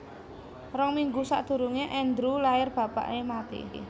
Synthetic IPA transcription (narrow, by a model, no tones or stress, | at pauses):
rɔŋmiŋɡusa̰ʔd̪̥ṳɾuŋeʔɛnd̪ɾulaɪrb̥ä̤pa̰ʔemat̪ḛ